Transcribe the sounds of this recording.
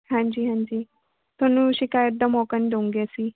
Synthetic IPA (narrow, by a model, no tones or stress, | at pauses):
hãɲd͡ʑiːɦãɲd͡ʑiː | t̪ʰonũɕikajəd̪əmɔkənd̪oũŋɡesi